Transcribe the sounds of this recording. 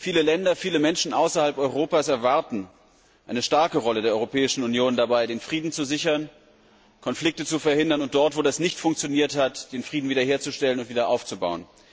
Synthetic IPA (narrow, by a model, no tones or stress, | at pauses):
fiːləlɛndɐfiːləmɛnʃn̩ʔaʊsɐhalpʔɔʏʁoːpaːsɛɐvaɐtn̩ | ʔaɪnəʃtaɐkəʁɔlədeːɐɔʁopʰɛːɪʃn̩unjoːndabaɪdeːnfʁ̥iːdn̩t͡suzɪçɐn | kʰɔnflɪk̚tət͡sufɛɐhɪndɐnʊnt̚d̥ɔɐtv̥oːdasnɪçtfʊŋk̚t͡sjoniːɐthatd̥eːnfʁ̥iːdn̩viːdɐhɦeːɐt͡suʃtɛlənʊntviːdɐʔaʊft͡suba̰ʊən